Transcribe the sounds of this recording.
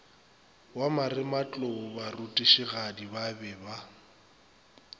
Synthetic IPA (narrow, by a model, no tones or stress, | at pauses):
wamaɾrɪmat͡ɬʼʊbarutʼiʃiɣadibabɛba